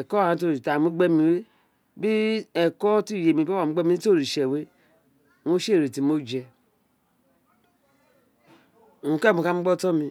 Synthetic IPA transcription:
ɛ˨kɔ˦˨a˨˦to˦˨i˨ta˨mu˦ɡ͡be˦mĩ˨we˦ | bi˦ɛ˨kɔ˦ti˦˨je˨mi˨bo˦a˨u˦ɡ͡be˦mi˦i˦to˦˨ɾi˨ʃe˨we˦ | no˦ʃe˦˨ɾe˨ti˨mo˦d͡ʒɛ˨ | u˨ke˦˨mu˨ka˦mu˦ɔ˦tɔ˦mi˧

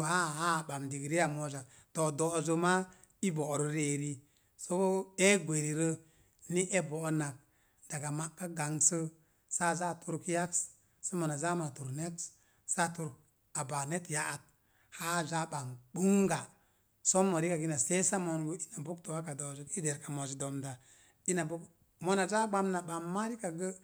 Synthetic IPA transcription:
ha˦˨ha˦˨ba˨mdi˨ɡɾi˦ja˨mo˦d͡ʒa˨ | to˨do˨zo˦ma˦ | i˦bo˨ɾo˦ɾe˨ɾi˦ | so˦ko˦e˦ɡʷe˨ɾi˨ɾə˦ | ni˦ʔe˦bo˨˦na˨k̚ | d̥a˨ɡa˨ma˨kːa˦ɡa˨ŋsə˦ | sa˦za˦˨tu˦ɾkja˦ks | sa˦ma˨na˨za˦ma˨tu˨ɾne˦ks | sa˦tu˨ɾk̚ | a˨ba˨ne˦tja˦ʔa˨t̚ | ha˦d͡ʒa˦ɓa˨nɓu˦ŋɡa˨ | so˦mo˨ɾi˦ka˨ɡi˦na˨se˦sa˦mo˨nɡu˦i˦na˨bu˦kto˨wa˦ka˨do˨d͡ʒi˨˦ki˦de˨ɾka˨mo˨d͡ʒi˨do˨mda˨ | i˦na˨bu˦k | mo˦na˨za˦ɡ͡ba˦mna˨ɓa˨mma˦ɾi˦ka˨ɡə˦

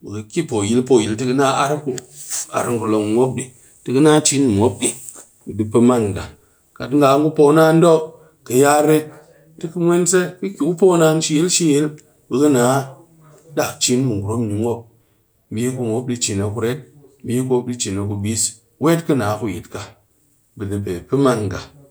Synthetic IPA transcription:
bɨ˨kə˨kʲi˦po˨ji˨lpo˨ji˨ltɨ˦kɨ˦na˦a˦ɾku˨a̰˨ɾɨ˦ŋku˨lo˨ŋ˨ŋʷo˦p̚ɗi˦ | tɨ˨˦kɨ˦na˦t͡ʃi˦nːi˨ŋʷo˦p̚ɗi˨ | dɨ˨pə˧ma˦n˨ka˨ | ka˨tŋɡa˨˦ŋɡu˦po˦na˦n˦do˦ | kə˨ja˦ɾe˦ | tɨ˦kɨ˦mʷ˦e˦nse˦kɨ˦kʲi˨ku˦po˦na˦n˦ʃi˦ji˦lʃi˦je˦l | bɨ˨kɨ˦naː˨˦ | da˨kt͡ʃi˦nmɨ˨ɡu˨ɾo˦mni˨ŋo˦p̚ | bi˦ku˧ŋo˦p̚ɗi˧t͡ʃi˨na˨ku˨ɾe˦t̚bi˦ɡo˦p̚ɗi˦t͡ʃi˨na˨ku˨bi˦s | we˦tkɨ˦naː˨˦ku˨ji˨tka˨ | bɨ˨ni˨pe˨pɨ˦ma˦˨nɡa̰˨

